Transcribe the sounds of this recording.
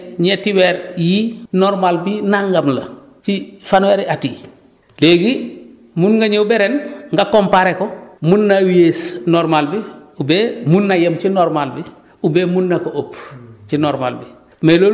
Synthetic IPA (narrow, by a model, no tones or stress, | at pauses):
ɲetiweɾjinoɾmalbinaŋɡamlɐ̰ | t͡ʃifanweɾiʔati | leɡi | munŋɡaɲeubeɾenŋɡakompaɾekomunːawiesnoɾmalbiubemunːajɐmt͡ʃinoɾmalbi | ubemunːakoʔopt͡ʃinoɾma̰lbi | melo